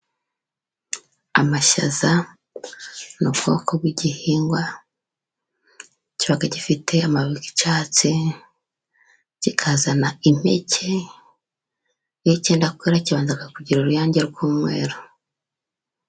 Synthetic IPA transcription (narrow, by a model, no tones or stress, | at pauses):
amaʃa̰za | nubɡo̞kob̚ɡiɟihiːŋɡwa | ciβaɡaɟifitʰe̞amaβiki̥t͡ʃaːt͡si | ɟ̥ikʰazanaim̥ḛcʰe̞ | jiceːndakweːɾaciβaːnzaɡakuɟiɾuɾujaːɲɟeɾɡuːmŋe̞ːɾo